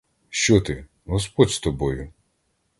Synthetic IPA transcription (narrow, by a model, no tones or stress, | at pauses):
ʃt͡ʃɔt̪ɪ | ɦɔspɔdʲst̪ɔbɔjʊ